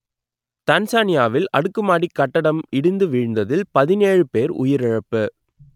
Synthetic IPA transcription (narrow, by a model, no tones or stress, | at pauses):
t̪ɐnsaːnɪjaːʋɪlɐɽɯkːɯmaːɽikːɐʈːɐɽɐmɪɽɯnd̪ɯʋɪɻnd̪ɐðɪlpɐðɪneːɻɯpeːɾʊ̰jɪɾɪɻɐpːɯ